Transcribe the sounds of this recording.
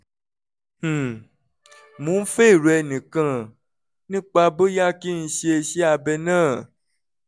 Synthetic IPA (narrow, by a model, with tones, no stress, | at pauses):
h̩˨ | mũ˨˦n̩˦fe˦˨ɾu˨ɛ˧nĩ˨kã˦˨ | nĩ˦k͡pa˧bo˦ja˦ki˦ñ̩˧ʃe˦e˧ʃi˦a˧bɛ˧nãː˦˨